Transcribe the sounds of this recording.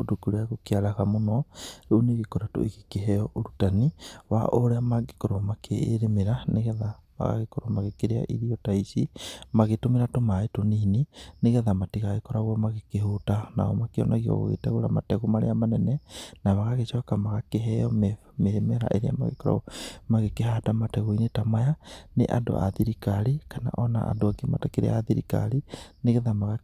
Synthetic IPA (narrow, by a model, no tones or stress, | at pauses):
odokuɾaɣokealaɣamonɔɾoneɣekoɾato̰iɣekeɦɛjɔʔoɾutaniwa̰ʔoɾeamaɡe̥koɾoamakʰeːɾemeɾaneɣɛðaβa̰ɣa̰ɣekoɾomaɣekeɾea̰ʔiɾiɔtaisimaɣetomeɾatomaetoniːnineɣɛðamatiɣaɣekɔɾaɣɔmaɣekehotana̰ɔmakeɔ̰nʔɔɣiɔ̰ɣo̰ɣḛtɛɣoɾamatɛɣumaɾḛamanɛnɛnaβaɣaɣeʃɔkamaɣakeɦɛjɔm | mehɛmɛɾa̰ʔeɾea̰ma̰ɣḛkɔɾa̰maɣekeɦadamatɛɣoinetamajanḛʔa̰do̰ʔa̰ðiɾikaɾikana̰ʔɔna̰ʔa̰doakematakeɾḛaðiɾḭka̰ɾineɣɛðamaɣa